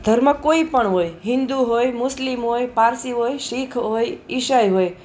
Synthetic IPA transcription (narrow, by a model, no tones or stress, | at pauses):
d̪ʱəɾməkoipəɳɦojɦɪ̃nd̪uɦojmʊslimɦojpaɾsiɦojʃikʰɦojɪʃajɦoj